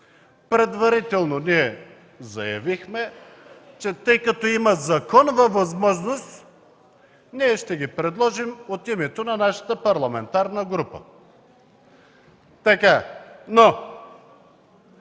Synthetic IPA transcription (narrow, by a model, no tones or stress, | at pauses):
pɾɛd̪vɐɾit̪ɛlˠnoniɛ | zɐjɐ̰vixmɛ | t͡ʃɛt̪əjkɐt̪ɔimɐzɐkɔnovɐvɐzmɔʒnost̪ | niɛʃt̪ɛɡipɾɛd̪lˠɔʒimot̪imɛt̪onɐnaʃə̥t̪əpɐɾlˠɐmɛnt̪aɾnəɡɾupə̰ | t̪ɐkano